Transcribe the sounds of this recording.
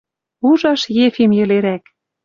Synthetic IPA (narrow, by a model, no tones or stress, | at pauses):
uʒɑʃjefimjɘ̆leɾæk